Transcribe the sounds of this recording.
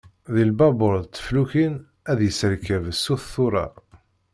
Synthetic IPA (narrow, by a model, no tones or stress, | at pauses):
ðilbɑbʊɾðt͡s̪ːə̥fluçin | æðjəsəɾkəvəsːuθθʊɾˤɑ̰